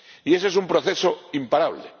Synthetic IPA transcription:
ie̞s̬ees̬umpɾoθe̞soimpaɾaβ̞le

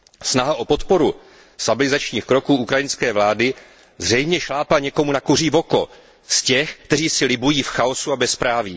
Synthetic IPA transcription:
snaɦaʔo̞po̞t̪po̞ɾu | st̪abɪlɪzat͡ʃɲiːxkɾo̞kuːʔukɾajɪnskɛːvlaːdɪ | zr̝ɛjmɲɛʃlaːpaɲɛko̞munakur̝iːvo̞ko̞ | scɛxkt̪ɛriːsɪlɪbujiːfxaosuabɛspɾaːviː

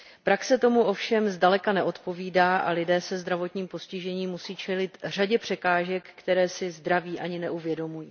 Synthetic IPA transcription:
pɾaksɛt̪o̞muʔo̞fʃɛmzdalɛkanɛʔo̞t̪po̞viːdaːʔa̰lɪdɛːsɛzd̪ɾavo̞t̪ɲiːmposcɪʒɛɲiːmːusiːt͡ʃɛlɪt̪r̝aɟɛpr̥ɛkaːʒɛkːt̪ɛɾɛːsɪzd̪ɾaviːʔaɲɪnɛʔuvjɛdo̞mujiː

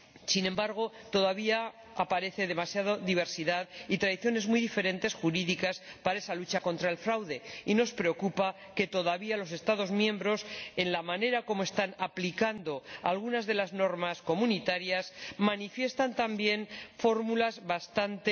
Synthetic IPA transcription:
sinẽ̞mbaɾɣ̞o̞ | t̪o̞ðaβiaː | paɾe̞θe̞ðe̞masjaðoðiβ̞e̞ɾsiðaðit̪ɾaðiθjo̞ne̞zmujðife̞ɾẽ̞nt̪e̞sxuɾiðikaspaɾaesalut͡ʃako̞nt̪ɾae̞lfɾawðe̞ino̞spɾe̞o̞kupa | ke̞t̪o̞ðaβialo̞s̬e̞st̪aðo̞zmjẽ̞mbɾo̞se̞nlamãne̞ɾako̞moest̪anaplikand̪o̞a̰lɣunazðe̞lazno̞ɾmasko̞mũnit̪aɾjasmanifje̞st̪ant̪ambje̞nfo̞ɾmulazβast̪ant̪e

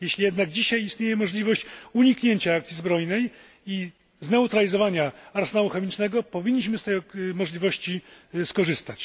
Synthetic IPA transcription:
jeɕlʲijɛd̪naɡd͡ʑiɕajist̪ɲejɛmɔʐlʲivɔɕt͡ɕuɲikɲeɲt͡ɕaakt̪sʲizbɾɔjnɛj | i | znɛut̪ɾalʲizɔvaɲaaɾsɛnaluxɛmʲit͡ʂnɛɡɔpɔvʲiɲʲːiɕ̬mɘst̪ɛjmɔʐlʲivɔɕt͡ɕiskɔʐɘst̪at͡ɕ

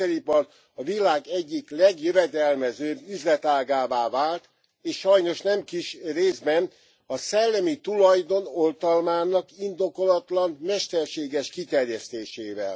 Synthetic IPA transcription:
ɛɾipɒr | ɒvilaːɡɛɟːiklɛɡjøvɛd̪ɛlmɛzøːbːyzlɛt̪aːɡaːvaːvaːlt̪ | eːʃʃɒjno̞ʃnɛmkiʃreːzbɛn | ɒsɛlːɛmit̪ulɒjd̪o̞no̞lt̪ɒlmaːnɒkind̪o̞ko̞lɒt̪lɒnmɛʃt̪ɛrʃeːɡɛʃkit̪ɛrjɛst̪eːʃeːvɛ̰l

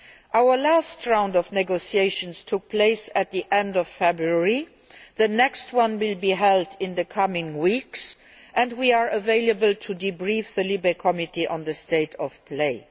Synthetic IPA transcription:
ʔaʊə˞lastɹãʊ̃ndɔvnɛɡosieɪʃə̃nstʰʊk̚pʰleɪsæt̪̚ðiʔɛ̃ndɔfːɛbɹuəɹi | ðənɛkstwʌ̃nwɪlˠbiɦɛldɪ̃nðəkʰʌmɪ̃ŋwiks | ʔɨ̃ndwia˞ʔəveɪləbəltʰudibɹifðəlibekʰɔmitiʔə̃nðəsteɪtʰɔfpʰleɪ

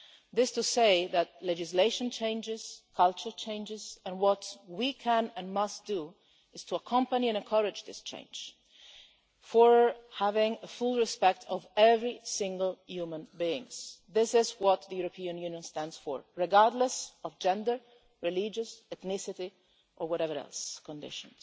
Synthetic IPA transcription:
ðɪstɨseɪðɨt̚lɛd͡ʒɨsleɪʃə̃nt͡ʃʰẽɪ̃nd͡ʒɪz̥kʰʌlˠt͡ʃə˞t͡ʃʰẽɪ̃nd͡ʒɪzɨ̃nwʌtwikʰæ̃nɨ̃nmʌsd̥u | ɨz̥tʰəəkʰʌ̃mpəniɨ̃nɨ̃nkʰɜɹɨd͡ʒðɪst͡ʃʰḛ̃ɪ̃nd͡ʒ̥ | fə˞hævɪ̃ŋəfulˠɹɨspɛk̚tʰʌvɛvɹisɪ̃ŋɡəl̩ˠjumə̃nbiɪ̃ŋzðɪsɪzwʌt̪̚ðɨjuɹəpʰiɨ̃njũnjə̃nstæ̃ndsfə̰˞ɹɨɡɑɹdˡləsʌvd͡ʒɛ̃ndə˞ | ɹɨlid͡ʒɨsɛθnɪsɨɾi | ʔə˞wʌɾɛvə˞ɛ̰lˠskə̃ndɪ̰ʃə̃nz̥

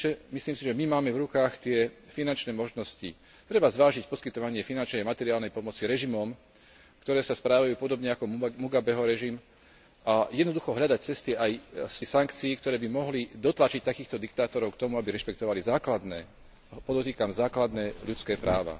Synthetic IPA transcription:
ɛmisliːmsiʒɛmimaːmɛvɾukaːxt̪ɪɛfinant͡ʃnɛːmɔʒnɔscḭ | t̪ɾɛbazʋaːʒicpɔskit̪ɔʋaɲɪɛfinant͡ʃnɛamat̪ɛɾiaːlnɛjpɔmɔt͡siɾɛʒimɔm | kt̪ɔɾɛːsaspɾaːʋajuːpɔd̪ɔbɲɛakɔmuɡabɛɦɔɾɛʒim | ʔajɛd̪nɔd̪uxɔɦʎad̪ac̚t͡sɛst̪iajsɛsaŋkt͡siːkt̪ɔɾɛːbimɔɦlid̪ɔt̪lat͡ʃic̚t̪akiːxt̪ɔd̪ikt̪aːt̪ɔɾɔʊkt̪ɔmuabiɾɛʃpɛkt̪ɔʋalizaːklad̪nɛː | pɔd̪ɔt̪iːkamzaːklad̪nɛːʎut͡skɛːpɾʔaːʋa̰

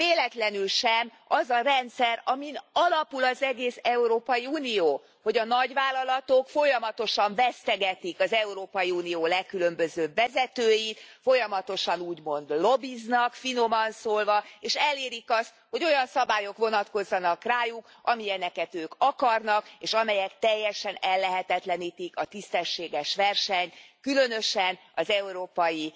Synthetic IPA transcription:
veːlɛt̪lɛnylʃɛm | ɒzɒrɛnt̪sɛrɒminɒlɒpulɒzɛɡeːsɛuɾoːpɒjiuːnijoː | ho̞ɟɒnɒɟvaːlːɒlɒt̪okfo̞jɒmɒt̪o̞ʃɒɱvɛst̪ɛɡɛt̪ikɒzɛuɾoːpɒjiuːnijoːlɛkːylømbøzøːvɛzɛt̪øːjit̪fo̞jɒmɒt̪o̞ʃɒnuːɟmo̞nd̪lo̞biznɒkfino̞mɒnsoːlvɒeːʃɛleːɾikɒst̪ho̞ɟo̞jɒnsɒbaːjo̞kʋo̞nɒt̪ko̞zːɒnɒkraːjuk | ɒmijɛnɛkɛt̪øːkɒkɒrnɒkeːʃɒmɛjɛkt̪ɛjːɛʃɛnɛlːɛɦɛt̪ɛt̪lɛniːt̪ikɒt̪ist̪ɛʃːeːɡɛʃʋɛrʃɛɲkylø̞nø̞ʃɛn | ɒzɛuɾoːpɒji

